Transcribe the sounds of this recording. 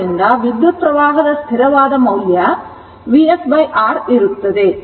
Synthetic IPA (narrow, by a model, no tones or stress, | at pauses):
ɪnd̪aːʋɪd̪ːɐt̪̚pːɾɐʋaːɣɐðɐst̪ʰɪɾɐʋaːðɐmɐɣɪjɐ | ʋiɛsʋɐɪʔaːɾɪɾɯt̪ːɐðɯ